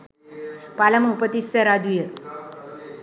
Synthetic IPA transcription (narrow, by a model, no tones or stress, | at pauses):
palaməupət̪isəɾad̪ujə